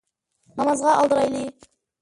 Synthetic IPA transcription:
nɑmɑzʁɑʔɑ̰lˠd̪əɾɑjlˠij

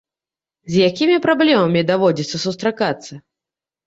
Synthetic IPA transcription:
zʲjakʲimʲipɾablʲɛmɐmʲid̪avɔd͡zʲit̪sːɐsust̪ɾakat̪sːɐ

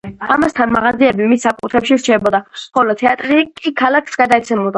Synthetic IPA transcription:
amast̪ʰanmaʁaziɛbimissakʼut̪ʰɾɛpʃiɾt͡ʃʰɛbɔd̪aχɔlɔt̪ʰɛat̪ʼɾikʼikʰalakʰsɡad̪aɛt̪sʰɛmulˠd̪a

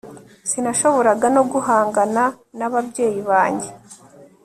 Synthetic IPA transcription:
sinaʃo̞βo̞ɾaɡano̞ɡuɦaːŋɡana | naβabɟe̞ːjiβaːɲɟe̞

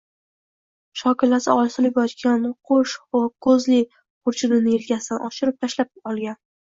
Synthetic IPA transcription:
ʃɒkʲɪlːasɪɒlsɪlɪpɒt̪kʲanqʰoʃkʰɵzlɪ | qʰʊɾt͡ʃʰʊd̪ɪnɪeɾkʲasɪd̪anʔɒʃɪɾɪp̚t̪ʰaʃlap̚ɒlˠɡʲan

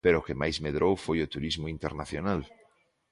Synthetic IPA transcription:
peɾokemajzmeðɾʔowfojot̪uɾizmoint̪eɾnaθjonal

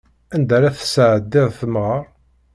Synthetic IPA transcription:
ænd̪æɾæθə̥səʕəd̪ːɪðˤθəmʁəɾˤ

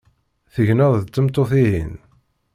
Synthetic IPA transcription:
θəʝnəðt͡s̪ːəmt̪ˤːoθiɦḭn

